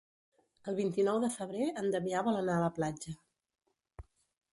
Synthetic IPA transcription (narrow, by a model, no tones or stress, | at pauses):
əlˠβint̪inɔwðəfəβ̞ɾeənd̪əβiaβɔlənaələplad͡ʒə